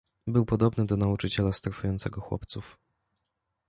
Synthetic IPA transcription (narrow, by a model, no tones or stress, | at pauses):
bɘwpɔd̪ɔbnɘd̪ɔnaut͡ʂɘt͡ɕɛlast̪ɾafujɔnt̪sɛɡɔxwɔ̰pt̪suf